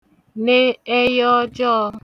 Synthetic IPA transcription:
ne˦e˦jɔ˦d͡ʒɔ˦

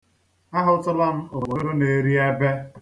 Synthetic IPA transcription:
a˦ɦʊ˦tʊ˦la˦m̩˦o˨wo˨˦ɾo˦ne˨ɾi˦a˦be˦

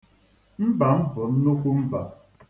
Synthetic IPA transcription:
m̩˦ba˨m̩˦bo˨m̩˦nu˦kʷu˦m̩˦ba˨

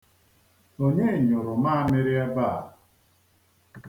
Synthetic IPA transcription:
o˨ɲe˦˨ɲʊ˨ɾʊ˨ma˦a˦mɪ˦ɾɪ˦a˦ba˦˨

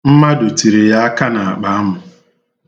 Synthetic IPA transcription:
m̩˦ma˦do˨ti˨ɾe˨ja˦a˦ka˦na˨a˨k͡pa˨˦mʊ˨

